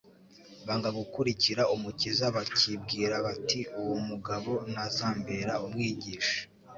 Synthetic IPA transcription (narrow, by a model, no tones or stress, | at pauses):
βaŋɡaɡukuɾiciɾaumucizaβacʰib̚ɡiːɾaβatʰiuwomuɡaβo̞nazaːmbeɾaumŋiːɟiːʃḁ